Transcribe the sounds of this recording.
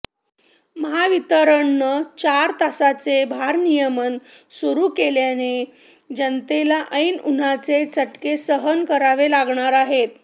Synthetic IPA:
məɦaʋit̪əɾəɳːət͡ɕaɾt̪asat͡sebʱaɾnijəmən | suɾukeljane | d͡ʑənt̪elaʔəjnun̤at͡set͡səʈkesəɦənkəɾaʋelaɡɳaɾaɦet̪

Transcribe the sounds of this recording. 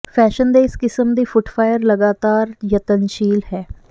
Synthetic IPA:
pʰɛːʃənd̪eːɪskɪsəmd̪iːfʰʊʈfʰaːjəɾləɡaːt̪aːɾjət̪ənʃiːlɦɛː

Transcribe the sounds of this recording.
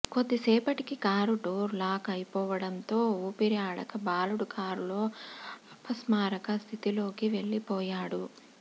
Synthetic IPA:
ko̞d̪ːisɛːpɐʈikikaːɾuɖoːɾlaːkɐjpɔːʋɐɽɐnt̪o̞ːuːpiɾijaːɽɐkɐbaːluɽukʰaːɾulo̞ːɐpʰːɐsmaːɾɐkɐst̪ʰit̪ilo̞ːkiʋe̞ɭːipɔːjaːɽu

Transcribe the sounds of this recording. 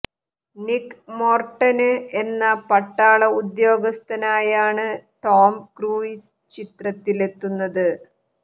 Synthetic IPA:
nikːmo̞ːrʈːɐnɨe̞nːɐpɐʈːaːɭɐud̪jo̞ːɡɐst̪ʰɐnaːjaːɳɨt̪oːmkruːis | t͡ɕit̪rɐt̪ːile̞t̪ːunːɐðɨ

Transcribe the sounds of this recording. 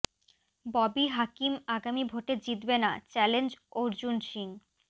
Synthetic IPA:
bɔbiɦakimaɡamibʱoʈed͡ʑit̪benat͡ɕɛlend͡ʑoɾd͡ʑunʃiŋ

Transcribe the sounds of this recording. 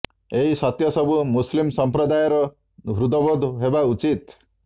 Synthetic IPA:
eɦisɔt̪jɔsɔbumuslimsɔmpɾɔd̪ajɔɾɔ | bʱɾud̪ɔbod̪ɦebaut͡ʃit̪

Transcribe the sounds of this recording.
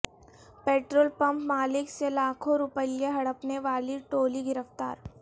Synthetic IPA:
peːʈɾoːlpɐ̃mpmaːlɪkselaːkʰõɾʊpəijeɦɐɽəpneʋaːliʈoːliɡɪɾəft̪a̰ːɾ

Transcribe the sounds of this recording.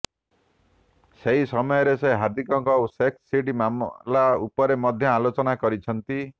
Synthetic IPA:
seɦisɔmɔjɔɾeseɦaɾd̪ʱikɔŋkɔsekssiʈ̬imamlaupɔɾemɔd̪ʱjɔalot͡ʃɔnakɔɾit͡ʃʰɔnt̪i

